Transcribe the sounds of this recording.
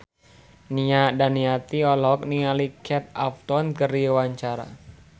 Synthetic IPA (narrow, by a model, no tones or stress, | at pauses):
niadaniat̪iɔlɔk̚nialikʰɛt̪̚apt̪ɔnkəriwaɲt͡ʃaɾa̰